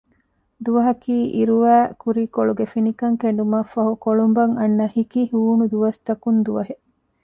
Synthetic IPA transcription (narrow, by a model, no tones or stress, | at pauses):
d̪uʋɐɦɐkiːʔiɾuʋæːkuɾiːkoɭuɡefinikɐŋkeɳ̆ɖumɐfɐɦukoɭumbɐŋɐnːɐhikihuːnud̪uʋɐst̪ɐkund̪uʋɐɦe